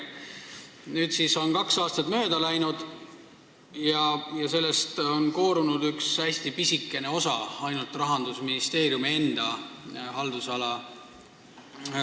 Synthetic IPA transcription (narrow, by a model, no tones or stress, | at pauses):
nyːt̪siso̞nkɑksɑːst̪ɑt̪mø̞ːd̪̥ɑlæjnud̪̥ | jɑjɑse̞lːe̞st̪o̞nko̞ːɾunud̪yksæsʲt̪ipisikːˑe̞ne̞o̞sɑ̰ɑjnult̪ˑrɑɦɑnd̪usminist̪e̞ːɾjumie̞nd̪̥ɑhɑld̪̥usɑlɑ